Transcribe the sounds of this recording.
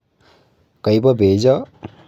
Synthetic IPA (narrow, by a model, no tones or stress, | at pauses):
kʌjbʌbʱed͡zʌ